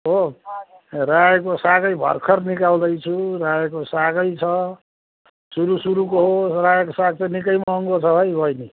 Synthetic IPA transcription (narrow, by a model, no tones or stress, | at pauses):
o | rajk̬osaɡʌjbʱʌ̰rkʰʌrnikald̪ʌjt͡sʰuɾajekosaɡʌjt͡sʰʌ | suɾusuɾukoɦosrajekosaɡ̚t͡sʌnikʌjmʌŋɡot͡sʰʌɦʌjbʱʌjni